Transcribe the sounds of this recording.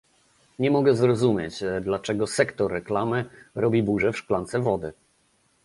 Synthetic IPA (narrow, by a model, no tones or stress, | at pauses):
ɲɛmɔɡɛzɾɔzumʲjet͡ɕd̪lat͡ʂɛɡɔsɛkt̪ɔɾːɛklamɘɾɔbʲibuʐɛfʂklant̪sɛvɔd̪ɘ